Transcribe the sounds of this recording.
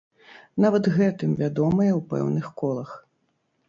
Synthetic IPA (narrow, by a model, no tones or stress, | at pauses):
navɐd̪ɣɛt̪ɨmvʲad̪ɔmɐjɛwpɛ̰wnɨxkɔlˠɐx